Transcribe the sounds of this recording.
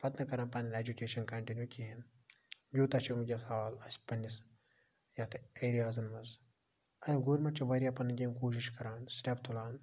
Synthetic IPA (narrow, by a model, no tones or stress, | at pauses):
pɐt̪nɐkɐɾaːnpɐnɐned͡ʒukʲeːʃɐnkɐɳʈinjuːkʲiɦen | juːt̪ɐt͡ʃʰimud͡ʒʲɐsʰaːlɐspɐnis | jat̪ʰeːɾijaːzɐnmɐz | ɐd̪ʲiɡoːɾʲmɐt͡ʃʰiʋɐɾʲijapɐnːɨɡʲenkoːʃ̬iʃkɐɾaːnsʈept̪ʰulaːn